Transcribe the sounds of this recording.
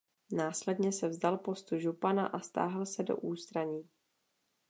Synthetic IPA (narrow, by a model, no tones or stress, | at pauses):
naːslɛdɲɛsɛvzdalpo̞st̪uʒupana̰ʔast̪a̰ːɦlsɛdo̰ʔuːst̪ɾaɲiː